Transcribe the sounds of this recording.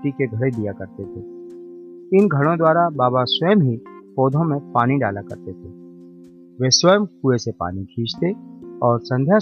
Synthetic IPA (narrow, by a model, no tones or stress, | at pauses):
ʈikeɡʱɐɽed̪ijakɐɾt̪et̪ʰeː | ɪnɡʱɐɽ̃õd̪waːɾabaːbaswəjmɦipoːd̪ʱõmẽpaːniɖaːlakɐ̰ɾt̪et̪ʰeː | ʋeːswəjəmkuesepa̰ːnikʰiːd͡ʒt̪eɔːɾsɐ̃nd̪ʱja